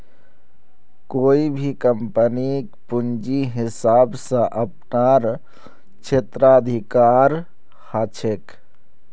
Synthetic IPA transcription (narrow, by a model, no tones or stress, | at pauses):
koibʱikəmpənikpund͡ʒiɦɪsabsə̃ʔəpnaɾ | t͡ʃʰet̪ɾad̪ʱikaɾ | hat͡ʃʰek